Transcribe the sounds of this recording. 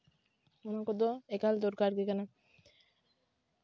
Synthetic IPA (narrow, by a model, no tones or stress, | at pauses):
onakɔd̪oekald̪ɔɾkaɾkikana